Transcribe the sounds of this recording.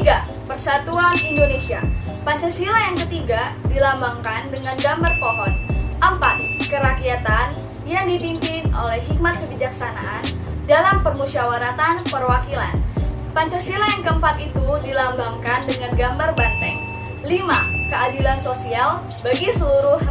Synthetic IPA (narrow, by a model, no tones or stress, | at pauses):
ɡa | pərsat̪uanindonesia̰ | paɲt͡ʃasilajaŋkət̪iɡadilambaŋkandəŋanɡambarpoɦɔnʔəmpat̪̚kəɾakiat̪an | jaŋdipimpɪnʔo̰lɛhɦik̚mat̪̚kəbid͡ʒaksanaʔan | dalampərmusawaɾat̪anpərwakila̰n | paɲt͡ʃasilajaŋkəəmpat̪it̪udilambaŋkandəŋanɡambarbant̪ɛŋ | limakəadilansosial | baɡisəluɾʊh